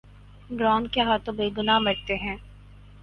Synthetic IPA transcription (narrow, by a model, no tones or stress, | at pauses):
ɖɾaɔ̃ːŋkjaɦat̪obeːɡʊnamɐɾt̪eɦɛ̃ː